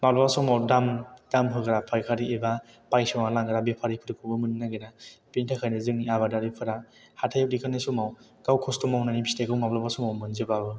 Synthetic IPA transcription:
mablɔbasɔmawdamd̥amɦɯɡɯɾapʰajkʰaɾieba | pajsɔŋalaŋɡɯɾabepʰaɾipʰɯɾɯkʰɯbɯmɯnnːaɡɯnapintʰakʰajnɯzɯŋniaβadaɾipʰɯɾa | hatʰajp̚dikʰanasumaw | ɡ̥awkʰɔstɔmawnanibistakʰɯwmablɔbasɔmawmɯnzɯbabɯ

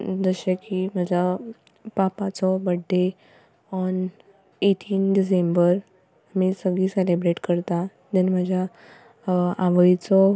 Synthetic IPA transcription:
d͡zəɕakːiməd͡ʑʱa | papat͡sɔbəɖːe | ɔn | eʈʰiːnɖis̬embəɾ | amisəɡɭiːselebɾeʈkəɾt̪a | d̪enməd͡ʑʱja | aʋəit͡sɔ

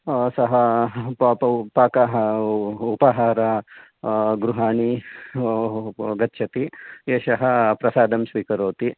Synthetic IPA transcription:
sɐɦɐ | paːkɐɦ | upɐɦaːɾɐ | ɡɾuɦaːɳi | ɡɐt̪ːʃʰɐt̪ieːʃɐɦɐpɾɐsaːd̪ɐmsʋiːkɐɾoːt̪i

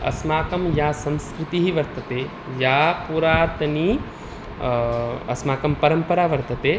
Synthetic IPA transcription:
ɐ̰smaːkɐmjaːsɐ̃nskɾɪt̪iɦiʋɐɾt̪ɐt̪e | jaːpuːɾaːɾt̪ɐni | ɐ̰smaːkɐmpɐɾɐmpɐɾaːʋɐɾt̪ɐt̪eː

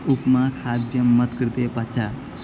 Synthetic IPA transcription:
upmakʰad̪jəmːət̪kəɾt̪epət͡ʃʰa

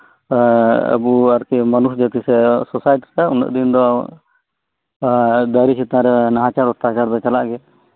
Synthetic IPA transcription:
ə̰buaɾkɛmanuɦd͡ʒat̪isɛsɔsajʈisaunə̰ʔd̪ind̪ɔ | d̪aɾisʰit̪aãɾɛnaɦat͡ʃaɾɔt̪aat͡ʃaɾd̪ɔt͡ʃalaʔɡɛ

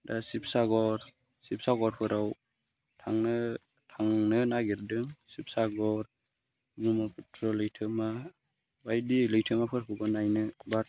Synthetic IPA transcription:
dasip̚saɡɔɾ | sip̚saɡɔɾpʰɯɾaw | tʰaŋnɯ | tʰaŋnɯnaɡiɾdɯŋsip̚saɡɔɾ | ɡumapʰutʰɾɔlɯjtʰɯma | bajdilɯjtʰɯmapʰɯɾpʰɯɡɔnajnɯba

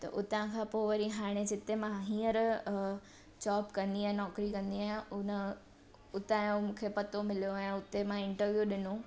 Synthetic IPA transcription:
t̪ɐ̰ʔʊt̪ãkʰãːpoːʋɐɾiɦaːɽ̃ed͡ʑɪt̪emãɦĩːəɾ | t͡ɕɔːpkɐ̃nd̪iãːnɔːkɾikɐ̃nd̪iaːjʊnə | ʊt̪ãmũːkʰepɐt̪omɪlijoɛ̃ʊt̪emãɪ̃ɳʈəɾʋijuɗɪno

